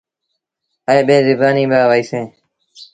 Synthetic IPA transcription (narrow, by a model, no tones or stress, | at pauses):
əeːɓeːzɪbaːnĩːbaːʋaiːsẽː